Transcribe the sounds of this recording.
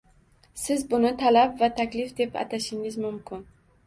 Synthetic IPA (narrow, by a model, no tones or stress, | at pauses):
sɪzbʊnɪt̪ʰalapvat̪ʰakʲlɪfd̪e̞pa̰t̪ʰaʃɪŋɪzmʊmkʲʰɪn